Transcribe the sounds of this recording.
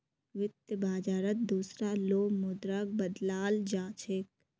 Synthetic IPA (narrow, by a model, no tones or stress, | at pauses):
ʋɪt̪jəbaːd͡ʒaːɾət̪̚d̪uːsɾaloːmʊd̪ɾak̚bəd̪laːld͡ʒaːt͡ʃʰɪk